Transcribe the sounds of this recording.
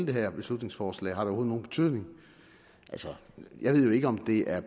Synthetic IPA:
ləd̥eɦæɐ̰b̥e̝slud̥ne̝ŋsfɒːslɛ̰ːhɑ̈ɾeɔho̝ð̩ˠno̝ːn̩b̥t͡sʰyðˠne̝ŋ | ʔælsɒ | jɑ̈ɪʋe̝ðˠjoe̝ɡ̥əɒ̽md̥e̝ʔæɐ

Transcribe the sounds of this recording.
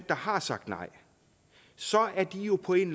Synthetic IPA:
d̥ɑ̈hɑ̈sɑ̈ɡ̥d̥nɑ̈ɪ̰ | sɒ̽æɐd̥ijo̝pʰɒ̽e̝nl

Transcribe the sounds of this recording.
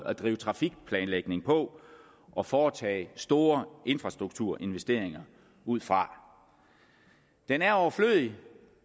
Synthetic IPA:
æd̥ʁḭːʊt͡sʰʁɑ̈fiɡ̥̚pʰlɛːnleɡ̥ne̝ŋpʰɒ̽ | ʔɒ̽fɒːt͡sʰɛ̰ːɪsd̥o̝ːɐʔe̝nfʁɑsd̥ʁuɡ̥̚t͡sʰuɐ̰ʔe̝nʋesd̥e̝ɐ̰e̝ŋɐ | uð̞̰ˠfʁɑ̈ | d̥enæɐɒʊɐfløðˠi

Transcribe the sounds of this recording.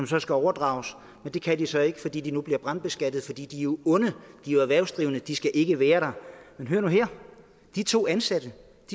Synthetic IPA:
ɒ̽msɒ̽sɡ̥æɒʊɐd̥ʁɑ̈ʊs | mend̥e̝kʰæd̥isɒ̽e̝ɡ̥ə̥fɒ̽d̥ḭːd̥inub̥liɐb̥ʁɑ̈n̰d̚b̥e̝sɡ̥æd̥ð̩ˠfɒ̽d̥ḭːd̥io̝ɔ̽nəd̥ioæʋæɐʊsd̥ʁiʊənəd̥isɡ̥æʔe̝ɡ̥əʋæːɐɾ̥ɑ̈menɦøɐnuɦeɐ̰ | d̥it͡sʰo̝̰ːænsæd̥ə | d̥i

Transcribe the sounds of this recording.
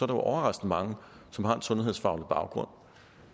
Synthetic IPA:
ɒɐɾ̥ɑjoʔɒʊɐʁɑ̈sd̥n̩mɑ̈ŋə | sɒ̽mhɑ̈e̝nsɔ̽nhe̝ð̰ˠsfɑ̈ʊlʰb̥ɑ̈ʊɡ̥ʁɔ̽n̰

